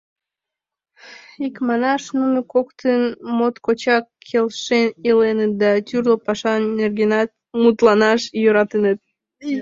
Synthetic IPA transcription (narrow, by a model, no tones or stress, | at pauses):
ikmɑnɑʃnuməkokt̪ənmot̪kot͡ɕɑkʰːelʃenilenət̪̚d̪ɑt̪yrlopɑʃɑnerɡenɑt̪̚ | mut̪lɑnɑʃjøɾɑt̪ənət̪̚